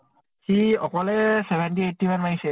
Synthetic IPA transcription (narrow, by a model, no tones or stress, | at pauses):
xiɔkɔlɛsɛbʱɛntiet̚ːimanmanisɛ